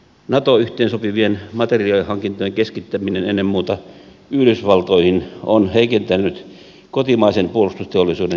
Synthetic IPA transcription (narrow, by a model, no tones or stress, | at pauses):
nɑt̪oyht̪eːnsopiʋienmɑt̪eriɑlihɑŋkint̪ojeŋkeskit̪ːæminenenːemmuːt̪ɑ | yløsʋɑlt̪oihinonheikent̪ænːˑyt̪ | kot̪imɑisenpuolust̪ust̪eolːˑisuːde